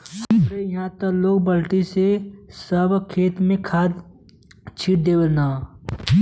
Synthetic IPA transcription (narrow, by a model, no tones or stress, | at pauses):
ʊɾejɐɦãt̪əloːɡbəlʈ̪isesəbkʰeːt̪mẽkʰaːd̪ | t͡ʃʰiːʈ̚d̪eːwəlnaː